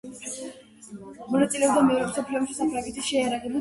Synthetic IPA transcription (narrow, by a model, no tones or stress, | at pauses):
mɔnat̪sʼilɛɔbd̪amɛɾɛmsɔpʰliɔmʃi̥sapʰɾaɡɛt̪ʰiʃɛjaɾaʁɛbu